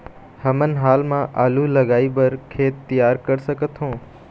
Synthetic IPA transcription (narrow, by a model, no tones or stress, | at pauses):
həmənɦaːlmãʔaːlulɐɡaːibɐɾkʰeːt̪ːijaːɾkəɾsəkət̪ɦõː